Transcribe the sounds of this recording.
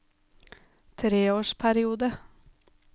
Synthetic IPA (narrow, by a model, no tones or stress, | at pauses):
t̪ʰɾeːoːʃpʰæɾɪuːd̪ə